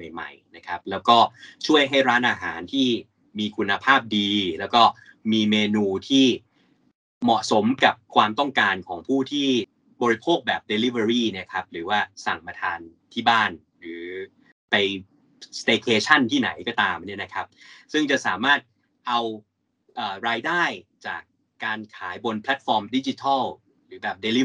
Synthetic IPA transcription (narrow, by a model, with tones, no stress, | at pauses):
ma˨˩jma̰˨˩jna˦˥kʰa˦˥p̚lɛː˦˥wkɔː˥˩t͡ɕʰu˥˩əjɦa˥˩jɾaː˦˥nʔaː˧ɦa̰ː˩˦nt̪ʰiː˥˩ | miː˧kʰu˧nːa˧pʰaː˥˩p̚diː˧lɛː˦˥wkɔː˥˩ | miː˧meː˧nuː˧t̪ʰiː˥˩ | mɔ˨˩ʔso˩˦mka˨˩p̚kʰwaː˧mt̪ɔ˥˩ŋkaː˧nkʰɔː˩˦ŋpʰuː˥˩t̪ʰiː˥˩ | bɔː˧ɾi˧˥pʰoː˥˩k̚bɛː˨˩p̚de˧li˦˥˩we˧ɾiː˥˩ni˥˩kʰa˦˥p̚ɾɯː˩˦waː˥˩sa˨˩ŋpa˧t̪ʰaː˧nt̪ʰiː˥˩baː˥˩n | ɾɯː˩˦ | pa˧j | st̪eː˧kʰeː˧t͡ɕʰa˥˩nt̪ʰiː˥˩na̰˩˦jkɔː˥˩t̪aː˧mni˥˩ɐna˦˥kʰa˦˥p̚sɯ˥˩ŋt͡ɕa˨˩saː˩˦maː˥˩t̪̚ | ʔa˧w | ʔəː˨˩ɾaː˧jdaː˥˩jt͡ɕa̰ː˨˩kː | aː˧nkʰaː˩˦jbo˧npʰlɛ˦˥t̪̚fɔː˧mdi˦˥t͡ɕi˧t̪ʰɔ˥˩l | ɾɯː˩˦bɛː˨˩p̚deː˧li˦˥